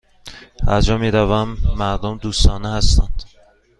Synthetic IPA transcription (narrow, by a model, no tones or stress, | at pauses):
æ̰ɾd͡ʒɒːmiːɾævæmːæɾd̪omd̪uːst̪ɒːnehæst̪ænd̪̥